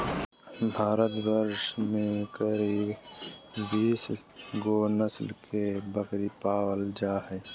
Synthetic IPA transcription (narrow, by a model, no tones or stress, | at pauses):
bʱaːɾət̪bəɾʃmẽkəɾiːb | biːs | ɡonəslkebəkɾipaːwəld͡ʒaːɦɛː